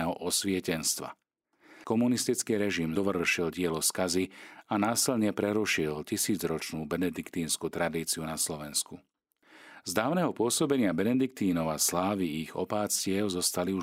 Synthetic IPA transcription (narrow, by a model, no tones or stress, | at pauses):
ɛɦɔʔɔsʋɪɛcɛnst̪ʋa̰ | kɔmunist̪it͡skiːɾɛʒimɔʋrʃilɟɪɛlɔskazianaːsilɲɛpɾɛɾuʃilcisiːd͡zɾɔt͡ʃnuːbɛnɛd̪ikt̪iːnskut̪ɾad̪iːt͡siunaslɔʋɛnsku | zd̪aːʊnɛɦɔpʊɔsɔbɛɲɪabɛnɛd̪ik̚t̪iːnɔʊaslaːʋiiɣɔ̰paːt͡scɪɛʊzɔst̪aliu